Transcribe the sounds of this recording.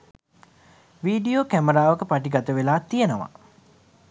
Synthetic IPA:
ʋiːɖioːkæməɾaːʋəkəpaʈiɡat̪əʋelaːt̪ːijənəʋa̰

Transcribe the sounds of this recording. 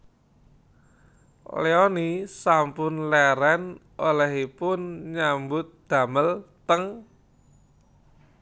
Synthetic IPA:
leonisampʊnlɛɾɛn | olɛhipʊnɲambʊt̪̚d̪̥ä̤məlt̪əŋ

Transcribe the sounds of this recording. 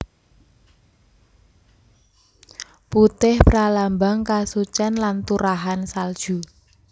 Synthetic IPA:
put̪ɪhpɾalambaŋkasut͡ʃanlant̪uɾaɦansald̥ʒ̥u

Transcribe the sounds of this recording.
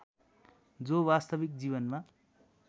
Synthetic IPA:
d͡zobast̪ʌbikd͡ziβʌnma

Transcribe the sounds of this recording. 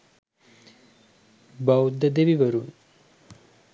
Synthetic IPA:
bɐwud̪əd̪eʋiʋɐɾun

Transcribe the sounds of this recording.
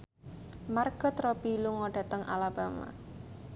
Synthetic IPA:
marɡ̥ɔ̤t̪ɾɔb̥i̤luŋɔɖ̥a̤t̪əŋʔa̰lab̥ama̰

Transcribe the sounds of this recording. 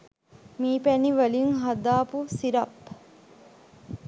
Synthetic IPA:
miːpæniʋəliŋɦad̪aːpusiɾɐp

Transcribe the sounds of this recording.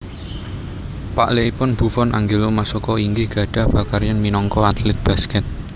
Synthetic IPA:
paʔleipʊnb̥ṳfɔnʔa̰ŋɡelomasokɔiŋɡɪhɡ̥ä̤ɖ̥ä̤hb̥akarjanminɔŋkɔat̪lɛt̪̚b̥a̤skɛt̪̚

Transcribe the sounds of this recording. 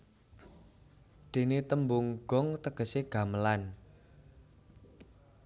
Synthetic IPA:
d̪̥e̤net̪əmbʊŋɡ̥ɔ̤ŋt̪əɡ̥əseɡ̥ä̤məlan

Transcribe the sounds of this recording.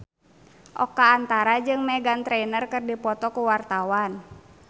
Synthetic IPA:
ʔɔ̰kaːnt̪aɾad͡ʒɨŋmɛɡant̪ɾɛnərkɨrdipɔt̪ɔkuwart̪awan

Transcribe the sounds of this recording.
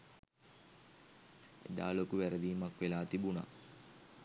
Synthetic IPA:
ḛd̪a̰ːlokuʋæɾəd̪iːmakʋelaːt̪ibuna̰

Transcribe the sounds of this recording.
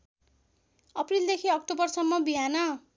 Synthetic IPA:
ʌprild̪ekʰiʌk̚tobʌrsʌmːʌbiɦanʌ

